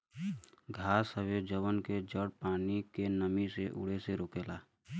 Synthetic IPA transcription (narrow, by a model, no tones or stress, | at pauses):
ɡʱaːsəʋed͡ʒəwənked͡ʒəɽpaːnikenəmiseʔʊ̰ɽ̤eseɾoːkeːlaː